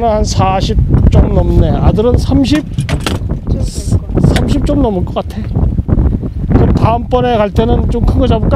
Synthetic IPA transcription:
nɯnhansʰaɕʰip̚t͡ɕ͈ʌmnʌmne̞adɯɾɯnsʰamɕ̬ʰip̚ | sʰamɕʰip̚t͡ɕ͈ʌmnʌmɯɭk͈ʌk͈atʰe̞ | t͡ɕomtaɯmp͈ʌne̞kaɭt͈e̞nɯnt͡ɕomkʰɯŋɡʌd͡ʑabɯɭk͈a

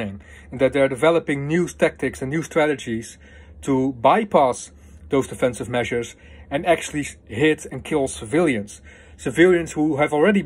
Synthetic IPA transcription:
ɪ̃ŋ | ɨ̃nðɨt̪̚ðə˞dɨvɛlˠəpɪ̃ŋnju̥tʰæk̚tɪksɨ̃nːjʉstɹ̥æɾɨd͡ʒiz̥ | tʰəbaɪpʰæs | ðoʊzdɨfɛ̃nsɨvmɛʒə˞z | ɨ̃næk̚t͡ʃʉl̩ˠihɪɾɨ̃nkʰɪlˠsəvɪlˠjɨ̃nz̥ | sɨvɪlˠjɨ̃nzwuɨvl̩ˠɹɛɾi

